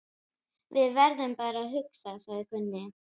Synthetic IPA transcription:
vɪðvɛɾðɛmpaːɾaɦʏksasaɣðɪkʰʏnːɪ

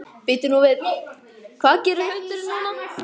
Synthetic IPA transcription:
pit̪ɪnuvɪð | kʰvaːðcɛːɾʏɦœɥt̪ɾ

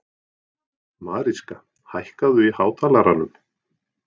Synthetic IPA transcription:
maːðɾiska | hajhkaðʏihaːwt̪ʰaːlaɾanʏm

